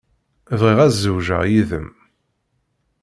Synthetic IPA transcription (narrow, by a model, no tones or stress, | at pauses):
vʁiʁæzːəwʒə̰ʁjiðə̰m